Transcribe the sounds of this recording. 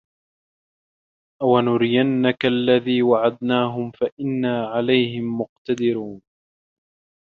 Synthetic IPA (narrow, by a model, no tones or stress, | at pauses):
ʔawanʊɾɪjanːakalːaðiːwaʕad̪naːɦʊmfaʔɪnːaːʕalajhɪmːʊqt̪ad̪ɪɾuːn